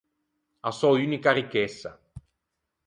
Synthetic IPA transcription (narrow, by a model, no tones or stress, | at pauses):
asɔuːnikaɾikesːa̰